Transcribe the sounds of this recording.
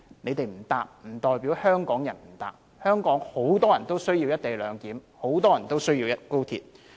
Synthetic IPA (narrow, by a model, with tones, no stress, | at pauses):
ne˨˧jt̪e˨jm̩˨˩t̪aː˨p̚m̩˨˩t̪ɔː˨˧jpiː˨˥whœː˥ŋkɔː˨˥ŋjɐ˨˩nm̩˨˩t̪a̰ː˨p̚ | hœː˥ŋkɔː˨˥ŋho˨˥wt̪ɔː˥jɐ˨˩nt̪o˥wsɵ˥ɥji˧wjɐ˥t̚t̪e˨jlœː˨˧ŋkiː˨˥mho˨˥wt̪ɔː˥jɐ˨˩nt̪o˥wsɵ˥ɥjiː˧wjɐ˥t̚ko˥wt̪ʰḭː˧t̚